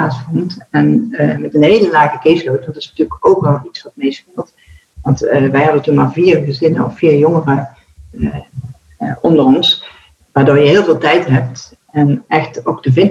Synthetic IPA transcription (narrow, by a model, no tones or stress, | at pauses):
aːsfɔntɛnmɛtənɦejləlaːɣəkeslowtʋɑntɪ̥snətyːləkowkʋɛlˠitsʋɑtmejspɪːlˠt | ʋɑntʋɛjɦɑdəntunmaːɹviːrɣəzɪnəɔffiːɹjɔŋərə | ʔɔndərɔns | ʋaːɹdoːɹjəɦɪːlˠvɪːlˠtɛjtɦɛp̚t | ʔɛnʔɛxtowkdəvɪn